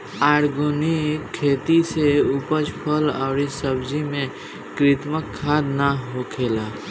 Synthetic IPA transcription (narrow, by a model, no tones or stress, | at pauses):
aːɾɡoːnikʰːeːt̪iseupəd͡ʒpʰəla̰ːɾisəbd͡ʒimẽ | kɾɪt̪məkʰːaːd̪naɦokʰeːlaː